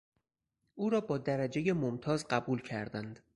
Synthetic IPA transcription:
ʔuːɾɒːbɒːd̪æɾæd͡ʒeje̞momt̪ʰɒːzɢæbuːlcʰæ̰ɾd̪ænd̪̥

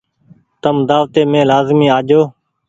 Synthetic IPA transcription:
t̪əmd̪aːʋt̪eːmẽːlaːzmĩːaːd͡ʒoː

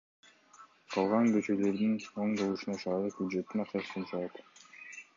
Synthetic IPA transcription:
qʰɑlˠʁɑŋɡø̞t͡ʃø̞lø̞ɾd̪ino̞ɴd̪o̞lˠuʃunɑʃɑɾɯq̚bʲjud̪ʒe̞t̪ːinɑqt͡ʃɑst̪ɯnt͡ʃʰɑlɑt̪

